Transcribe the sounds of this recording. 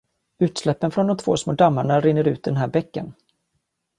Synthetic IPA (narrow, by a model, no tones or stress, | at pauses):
ʉ̟ːt̪slɛpːənfɾɔnd̪ɔmt̪ʰvo̰ːsmoːd̪amːaɳaɾɪnːəɾʉ̟ːt̪̚d̪ɛnɦæːɾbɛkːə̰n